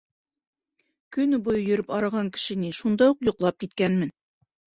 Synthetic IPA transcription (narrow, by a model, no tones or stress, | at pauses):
kɵ̆nbujɤjɵ̆ɾɵpɑɾɑʁɑŋkɘ̥̆ʃɘ̆niʃund̪ɑuqjŏqlˠɑp̚kit̪kænmɘn